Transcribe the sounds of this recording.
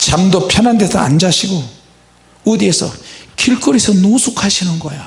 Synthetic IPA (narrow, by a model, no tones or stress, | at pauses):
t͡ɕamdopʰjʌnɦande̞sʰʌa̰nd͡ʑaɕʰiɡo | odiesʰʌ̰kiɭk͈ʰɯɾesʰʌnosʰukʰaɕʰinɯnɡʌjo